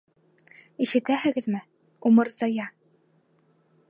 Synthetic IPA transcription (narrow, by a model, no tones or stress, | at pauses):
iʃɘ̆t̪æhɘ̆ɡɘ̆ðmɘ | umɤɾzɑjɑ